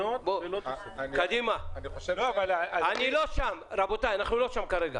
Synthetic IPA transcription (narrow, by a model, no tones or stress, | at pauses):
obolo | kad̪imanioʃealaaniloʃamɾabot̪ajanaχnulo̞ʃamkaɾeɡa̰